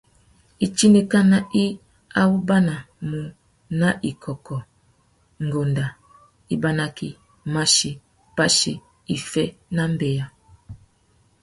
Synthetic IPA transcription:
i˨t͡ʃi˦ne˨ka˦na˦i˦ | a˦wu˦ba˦na˨ | mu˨ | na˦ʔi˨kʰɔ˨kɔ˨ | ŋ̩˨ɡo˨nda˨ | i˦ba˦na˨ki˦ | ma˦ʃi˨ | pa˦ʃi˦ | i˨fɛ˦na˦m̩˦bɛ˨ja˨

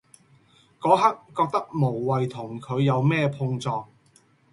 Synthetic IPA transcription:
kɔː˨˥ɦɐ˥k̚ːɔː˧k̚t̪ɐ˥k̚mo˨˩wːɐ˨jt̪ʰʊ˨˩ŋkʰɵ˨˧ɥjɐ˨˧wmɛː˥˧pʰʊ˧ŋt͡sɔː˧ŋ̚

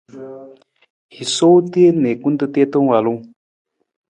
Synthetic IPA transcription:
hi˨so˦t̪i˦e˦ne˨ku˦nt̪ə˦t̪e˦t̪ə˦ŋ˦a˨lu˦

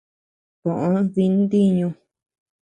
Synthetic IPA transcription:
kõ˨ʔõ˧˦ði˧nd̪i˦ɲũ˧

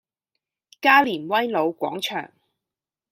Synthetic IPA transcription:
kaː˥liː˨˩nwɐ˥jlo˨˧wkʷɔ̰ː˨˥ŋt͡ʃʰœ̰ː˨˩ŋ

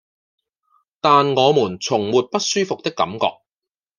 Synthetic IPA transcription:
t̪aː˨nŋɔː˨˧muː˨˩nt͡sʰʊ˨˩ŋmuː˨t̚pɐ˥t̚syː˥fʊ˨k̚t̪ɪ˥kːɐ̰˨˥mkɔ̰ː˨˧k̚

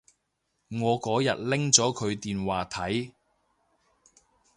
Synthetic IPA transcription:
ŋɔː˨˧kɔː˨˥jɐ̰˨t̚lɪ˥ŋt͡sɔː˨˥kʰɵ˨˧ɥt̪iː˨nwaː˨t̪ʰɐ˨˥j

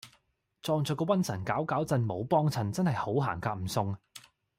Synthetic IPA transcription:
t͡sɔː˧ŋt͡sɔː˨kɔː˧wɐ˥nsʰɐ˨˩nkaː˨˥wkaː˨˥wt͡sɐ˧nmo˨˧wpɔː˥ŋt͡sʰɐ˨nt͡sɐ˥nhɐ˨jho˨˥wɦa̰ː˨˩ŋkaː˧k̚m̩˨˩sʊ˧ŋ

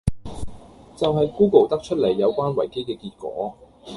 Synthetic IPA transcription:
t͡sɐ˨wɦɐ˨jkuː˥ko˨˩wt̪ɐ˥k̚t͡ʃʰɵ˥t̚le˨˩jːɐ˨˧wkʷaː˥nwɐ˨˩jke˥jkɛː˧kiː˧t̚kʷɔ̰ː˨˥

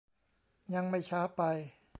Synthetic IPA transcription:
ɲa˧ŋma˥˩jt͡ɕʰaː˦˥pa˧j

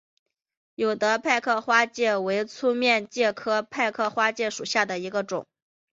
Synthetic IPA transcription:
jo˨˩ʊd̪ə˦pʰa˥˧ɪkʰɤ˥˧xwa˥t͡ɕjɛ˥˩we˧˥ɪt͡sʰu˥mjɛ˥˧nt͡ɕjɛ˥˩kʰɤ˥pʰa˥˧ɪkʰɤ˥˩˧xwa˥t͡ɕjɛ˥˩ʂu˨˩ɕja˥˩d̪ə˩i˧˥ɡə˧ʈ͡ʂʊ̰˨˩˦ŋ

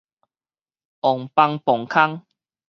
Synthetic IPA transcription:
ɔ˨˩ŋpa˧ŋpɔ˨˩ŋkʰa˦ŋ

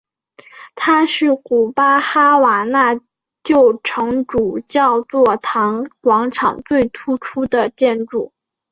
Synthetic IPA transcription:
t̪ʰa˥ʂɻ̩˥˩ku˨˩pa˥xa˥wa˨˩na˥˧ | t͡ɕjo˥˩ʊʈ͡ʂʰɤ˧˥ŋʈ͡ʂu˨˩t͡ɕjɑ˥˧ʊt͡swɔ˥˩t̪ʰɑ˧˥ŋkwɑ˧˥ŋʈ͡ʂʰɑ̰˨˩ŋt͡swe˥˩ɪt̪ʰu˧˥ʈ͡ʂʰu˥d̪ə˨t͡ɕjɛ˥˧nʈ͡ʂu˥˩

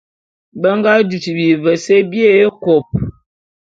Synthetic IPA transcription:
bə˦ŋ˦ɡa˦du˨ti˨bi˨və˨se˦be˦˨e˦ko˨p̚

